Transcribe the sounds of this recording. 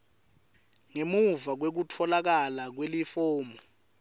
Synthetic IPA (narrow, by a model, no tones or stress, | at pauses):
ŋemuvak̬wek̬utʰɔlak̬alak̬welifɔːmɔ